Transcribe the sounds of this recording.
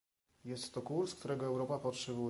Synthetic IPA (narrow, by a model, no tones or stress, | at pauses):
jɛst̪ːɔkuɾskt̪uɾɛɡɔɛwɾɔpapɔtʂɛbu